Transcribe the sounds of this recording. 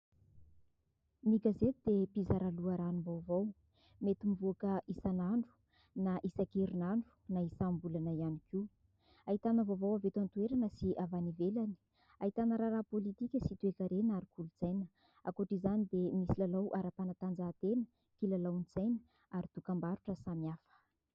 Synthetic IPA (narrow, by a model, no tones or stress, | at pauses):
miɡazet̪id̪̥epizaɾaluaɾanumbawvow | met̪imivoakəʔisanaɳɖ͡ʐu̥ | naʔisakiɾinaɳɖ͡ʐu̥naisambulanaianikiu | ait̪anəvovawavet̪ant̪ueɾanəsiʔavanivelani̥ | ait̪anəɾaɾapolit̪ikʲəsit̪uekaɾenaɾikulut͡sajnə | a̰koʈ͡ʂizanid̪emisilalawʔaɾapanat̪and͡zat̪enə̥ | kilalawnit͡sajnə̥ | aɾit̪ukambaɾuʈ͡ʂəsamiafə̥